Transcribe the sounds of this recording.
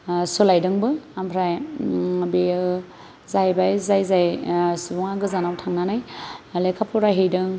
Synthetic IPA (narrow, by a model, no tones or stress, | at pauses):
sulajdɯŋbɯampʰɾaj | be | zajbajzajzajsubɔŋaɡɯzanawtʰaŋnanajlekʰapʰuɾaɦejdɯŋ